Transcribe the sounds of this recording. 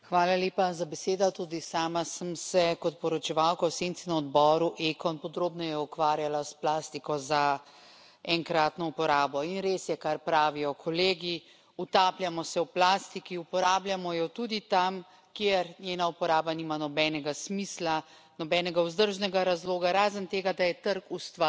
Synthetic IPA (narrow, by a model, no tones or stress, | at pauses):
xʋaːlaleːpazabɛseːd̪ɔt̪ud̪isaːmasəmsɛkɔt̪pɔɾɔt͡ʃɛʋawkawsent̪sinaɔd̪bɔːɾuʔekɔnpɔd̪ɾoːbnɔjɛukʋaːɾjalasplaːst̪ikɔza | ɛŋkɾaːt̪nɔupɔɾaːbɔinɾeːsjɛkaɾpɾaːʋijɔkʰɔleːɡi | ut̪aːplʲjamɔsɛwplaːst̪ikiupɔɾaːbljamɔjɔt̪ud̪it̪am | kjeɾnjeːnaupɔɾaːbaniːmanɔbɛːnɛɡasmisla | nɔbɛːnɛɡauzd̪əɾʒnɛɡaɾazloːɡaɾaːzənt̪eːɡad̪ajɛt̪əɾkust̪ʋa